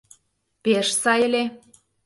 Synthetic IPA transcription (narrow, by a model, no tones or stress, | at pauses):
peʃsɑjə̆lʲe